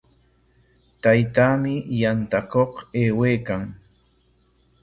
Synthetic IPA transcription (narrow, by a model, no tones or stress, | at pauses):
t̪ajt̪amɪjant̪akoqeːweːkaŋ